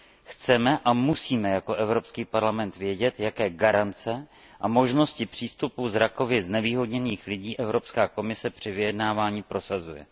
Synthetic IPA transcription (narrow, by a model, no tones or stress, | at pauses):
xt͡sɛmɛʔamusiːmɛjako̞ʔɛvɾopskiːpaɾlamɛnt̪vjɛɟɛt̪jakɛːɡaɾant͡sɛ | ʔamo̞ʒno̞scɪpr̝̥iːst̪upuzɾako̞vɪznɛviːɦo̞dɲɛniːxlɪɟiːʔɛvɾo̞pskaːko̞mɪsɛpr̝̥ɪvɪjɛdnaːvaːɲipɾo̞sazujɛ̰